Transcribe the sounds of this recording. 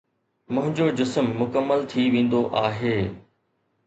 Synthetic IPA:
mʊ̃ɦɪ̃ɲd͡ʑod͡ʑɪsəmːʊkəmːəlt̪ʰiʋẽːn̆d̪oʔaːɦeː

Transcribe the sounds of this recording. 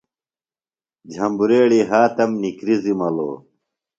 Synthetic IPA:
d͡ʑʱɐmbuɾeːɽiɦaːt̪ɐmnikɾizimɐlo̰ː

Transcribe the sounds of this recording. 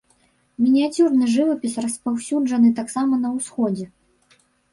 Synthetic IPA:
mʲinʲiat͡sʲurnɨʐɨvɐpʲisrɐspawsʲud͡ʐɐnɨt̪aksamɐnɐwsxɔd͡zʲɛ

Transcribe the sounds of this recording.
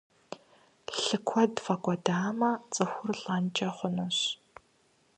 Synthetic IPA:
ɬɨkʷʰɔdfɐkʷʼɔdaːmɐt͡sʼɨxʷʊrɮʼɐnt͡ʃʼɐχʷʊnuɕ

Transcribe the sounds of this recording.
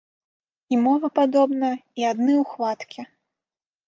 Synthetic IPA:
imɔvɨpad̪ɔbnɐiad̪nɨwxvat̪kʲi

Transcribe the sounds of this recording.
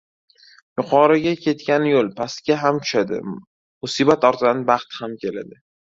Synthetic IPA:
jʊqʰɒɾaɡʲakʲʰe̞t̪kʲanɪjolˠpʰast̪ɡʲaɦamt̪ʰʊ̥ʃad̪ɪ̰ | mʊsibat̪ɒɾt̪ʰd̪anbɑχt̪hamkʲʰe̞lad̪ɪ

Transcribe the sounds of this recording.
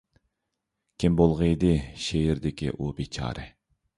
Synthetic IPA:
kʲʰimbolˠʁəid̪ɪʃejɪɾd̪ɪkʲḭʔubet͡ʃʰɑ̰ːɾʔɨ

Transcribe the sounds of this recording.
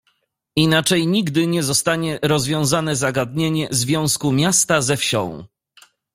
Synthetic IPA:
inat͡ʂɛjɲiɡd̪ɘɲɛzɔst̪aɲɛɾɔzvʲjɔ̃w̃zanɛzaɡad̪ɲeɲɛzvʲjɔ̃w̃skumʲjast̪azɛfɕɔ̰̃w̃

